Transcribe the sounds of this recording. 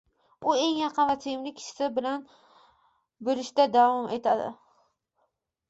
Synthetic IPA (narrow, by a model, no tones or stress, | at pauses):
ʊe̞ŋjɑqʰɨnvat̪ʰeɪmlɪkʲʰɪ̥ʃɪ̥sɪbɪlan | beɾɪʃt̪ad̪avɒmʔet̪ʰad̪ɪ̰